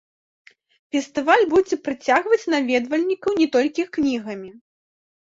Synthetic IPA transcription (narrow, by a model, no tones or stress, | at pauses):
fʲɛst̪ɨvalʲbud͡zʲɛpɾɨt͡sʲaɣvɐt͡sʲnavʲɛd̪vɐlʲnʲikɐwnʲɛt̪ɔlʲkʲiknʲiɣɐmʲi